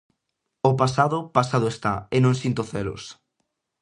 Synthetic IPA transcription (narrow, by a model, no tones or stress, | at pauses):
opasaðʊpasaðʊest̪a̰enõŋsint̪oθelʊ̰s